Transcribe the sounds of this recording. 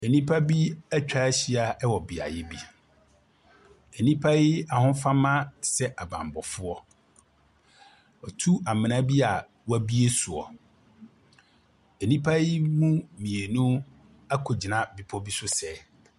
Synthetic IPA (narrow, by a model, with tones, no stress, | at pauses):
e˨nĩ˦pʰa˦bi˦æ˦t͡ɕᶣa˦ɕi˦a˨ɛ˦wɔ˨bi˨a̰˨jɪ˦bi˦ | ɛ˨nĩ˦pʰa˦jɪ˦a˨hʊ̃˦fã˦mã˦sɛ˦ʔa˨bã̰˨m˨bɔ˨fʊ˦ɔ˦ | ɔ˨tʰu˦a˨mɪ̃˨nã˦bi˦a˨ | wæ˦bi˦e˦su˨ɔ̰˨ | ɛ˨nĩ˦pʰa˦jɪ˦mũ˦mĩ˨e˨nũ˦ | a˦kʰo˨d͡ʑɪ˨nã˦˨bi˦pʰɔ˦bi˦sʊ˦sɛ˦